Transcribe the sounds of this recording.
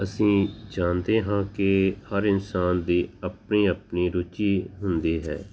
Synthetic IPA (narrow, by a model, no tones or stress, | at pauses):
əsĩːd͡ʒãːnd̪eːɦãːkɪhəɾɪnsaːnd̪iːəpniːəpniːɾʊt͡ʃiːɦʊnd̪iːɦɛ̰ː